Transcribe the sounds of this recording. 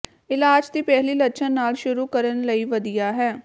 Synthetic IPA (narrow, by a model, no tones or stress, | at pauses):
ɪlaːd͡ʒd̪iːpɛːɦliːlət͡ʃʰənːaːlʃʊɾuːkəɾənləiːʋəd̪ijaːɦɛː